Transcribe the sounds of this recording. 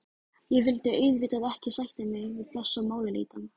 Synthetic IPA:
jɛɣvɪlt̪ɪœɥðviːt̪aðɛhcɪsajht̪ɪmɪɣvɪðtlasːamaːwlɪlḭːt̪an

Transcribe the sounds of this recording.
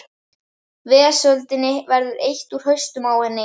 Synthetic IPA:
vɛːasœlt̪ɪnːɪvɛɾðʏɾejht̪uɾ̥ɦœɥst̪ʏmawhɛnːɪ

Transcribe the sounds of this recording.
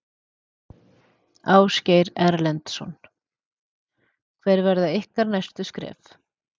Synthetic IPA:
aːwscejɾɛɾlɛnt̪sɔ̰n | kʰvɛjɾvɛɾðaɪhkaɾnajst̪ʏskɾɛ̰ːf

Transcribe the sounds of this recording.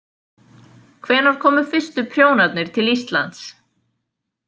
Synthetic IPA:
kʰvɛːɾaɾ̥kʰɔːmʏfɪ̥st̪ʏpʰɾjoːwnat̪nɪɾ̥t̪ʰɪlist̪la̰nt̪s

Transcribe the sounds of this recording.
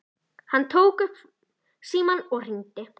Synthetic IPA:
hant̪ʰoːwkʏhp | siːmɔnɔr̥int̪ɪ

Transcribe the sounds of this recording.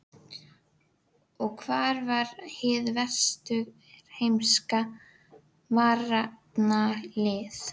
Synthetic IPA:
ɔɣkʰvaːɾvaɾhɪðvɛr̥st̪ʏɣ | ɾhejmska | maːrat̪nalɪθ

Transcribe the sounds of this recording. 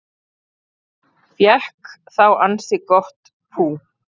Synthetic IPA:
fjɛhkθawansɪkɔht̪ | pʰuː

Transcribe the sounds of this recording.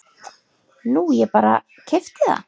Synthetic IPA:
nujɛpaːɾa̰ | cʰɪft̪ɪða̰

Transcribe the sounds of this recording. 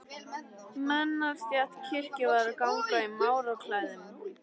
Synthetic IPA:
mɛnːaɾ̥st̪jat̪cʰɪr̥cɪvaðaɾkawŋkaimaːwɾakʰlaːjðɪm

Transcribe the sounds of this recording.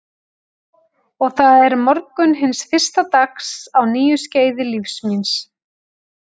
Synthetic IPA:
ɔɣθaðɛɾmɔɾkʏnɦɪnsfɪr̥st̪at̪aksawniːjʏsceːjðɪlifsmins

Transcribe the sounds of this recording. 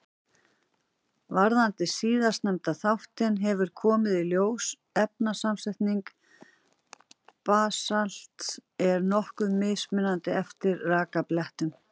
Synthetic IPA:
vaɾðant̪ɪsiːðḁst̪nɛmt̪aθawht̪ɪnɦɛvʏɾ̥kʰɔːmɪðiljoːws | ɛpnasamsɛht̪niŋk | paːsal̥t̪ɛɾnɔhkʏmɪːsmɪnːant̪ɪɛft̪ɪɾraːkaplɛht̪ʏm

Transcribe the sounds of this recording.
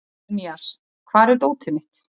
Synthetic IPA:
miaɾ̥ | kʰvaːɾɛɾt̪oːwt̪ʰɪmɪht̪

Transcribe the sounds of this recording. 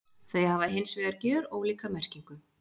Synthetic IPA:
θejhavaɦejnsvɛɣaɾcœːɾɔɣliːkamɛr̥ciŋkʏ

